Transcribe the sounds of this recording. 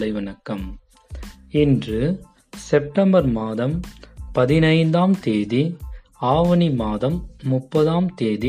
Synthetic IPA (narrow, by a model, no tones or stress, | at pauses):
lɐɪʋɐnɐkːɐm | ɪndrɯ | sɛp̚ʈɐmbɐɾmaːðɐmpɐðɪnɐɪnd̪aːmt̪eːði | aːʋɐnimaːðɐmːʊpːɐðaːmt̪eːði